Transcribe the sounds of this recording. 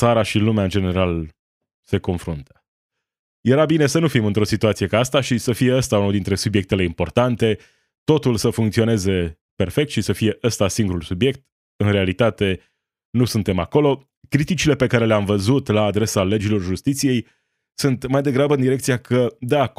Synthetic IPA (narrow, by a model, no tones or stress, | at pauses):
t̪saɾaʃilumeaɨnd͡ʒe̞ne̞ɾal | se̞ko̞nfɾunt̪ə̥ | je̞ɾabine̞sənufimɨnt̪ɾo̞sit̪uat̪sije̞kaast̪aʃisəfije̞əst̪aunud̪int̪ɾe̞subje̞k̚t̪e̞le̞impo̞rt̪ant̪e̞ | t̪o̞t̪ulsəfuŋkt̪sio̞ne̞ze̞ | pe̞rfe̞k̚t̪ʃisəfije̞ʔəst̪asiŋɡuɾulsubje̞k̚t̪ | ɨnɾe̞alit̪at̪e̞ | nusunt̪e̞mako̞lo̞ | kɾit̪it͡ʃile̞pe̞kaɾe̞leamvəzut̪laːd̪ɾe̞sale̞d͡ʒilo̞rʒust̪it̪sije̞j | sunt̪majd̪eɡɾabəɨnd̪iɾe̞kt̪sijakʰəd̪eak